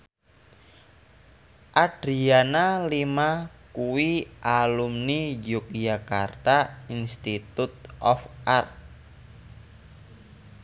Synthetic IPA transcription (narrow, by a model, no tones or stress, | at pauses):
ʔaɖ̥ɾianalimakuwiʔalumnid͡ʒuk̚d͡ʒakart̪ainst̪it̪ut̪̚ʔɔfart̪̚